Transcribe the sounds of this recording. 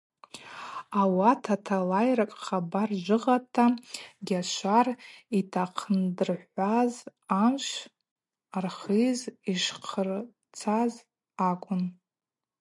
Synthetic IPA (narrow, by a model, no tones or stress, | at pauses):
awatʰatʰalajrakʼχabarʒʷɨʁatʰaɡʲaʃʷaritʰaqʰəndɨrħʷazamʃʷ | arχiziʃqʰər | t͡sʰaz | akʷʼʊn